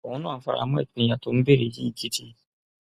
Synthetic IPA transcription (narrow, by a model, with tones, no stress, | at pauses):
ɔ̃˦nũ˦˨˦fa̰˨˧ɾa̰˧˦mũ˦ɛ̰˦˨ti˨nĩ˧˦jã˧˨to˦n̩˦be˦˨ɾe˧˨ji˦i˦˨ɡi˦ti˧